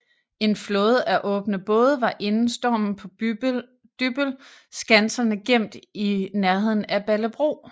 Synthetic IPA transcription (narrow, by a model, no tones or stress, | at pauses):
e̝nflɔ̽ːð̞̩ˠæʔɔ̽ːb̥nəb̥ɔ̽ːð̞ˠʋɑ̈ʔe̝nn̩sd̥ɒːmn̩pʰɒ̽ | d̥yb̥lsɡ̥ænsɐnəɡ̥em̰d̥inæɐɦe̝ð̰ˠn̩æb̥æləb̥ʁo̝̰ː